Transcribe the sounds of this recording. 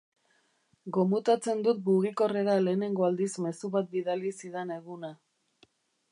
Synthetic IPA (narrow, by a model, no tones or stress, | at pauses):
ɡo̞mut̪at͡se̞nd̪ut̪̚muɣiko̞re̞ɾale̞ːne̞ŋɡo̞ald̪isme̞suβat̪̚biðalisiðene̞ɣuna